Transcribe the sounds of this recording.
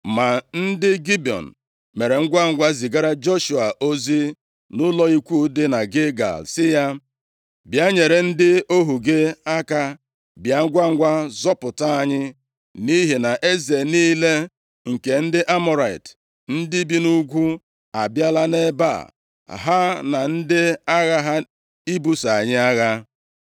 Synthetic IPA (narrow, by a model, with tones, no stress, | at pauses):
ma˨n̩˦dɪ˦ɡi˦bi˨ɔ̰˨n̩˨ | me˨ɾe˨ŋ̩˦ɡʷa˦ŋ̩˦ɡʷa˦zi˨ɡa˦ɾa˦d͡ʒo˦ʃu˨a˨ʔo˦zi˦ | nʊ˦lɔ˦i˦kʷu˦dɪ˦na˨ɡe˦ɡa̰˨lsɪ˦ja˦ | bja˦ɲe˨ɾe˨n̩˦dɪ˦o˦ɦu˨ɡe˦a˦ka˦ | bja˨ŋ̩˦ɡʷa˦ŋ̩˦ɡʷa˦zɔ˦pʊ˨ta˦a˦˨ɲɪ˦ | ni˦ɦi˨na˨ʔe˦ze˨niː˦le˦ | ŋ̩˨ke˨n̩˦dɪ˦ʔa˦mʊ˨ɾa˨ḭ˨t | n̩˦dɪ˦bi˦nu˦ɡʷu˦ | a˨bja˦la˦ne˦ba̰˦˨ | ɦa˦na˨n̩˦dɪ˦a˦ɣa˦ɦa˦ | i˦bu˦sa˨a˨ɲɪ˦a˦ɣa˦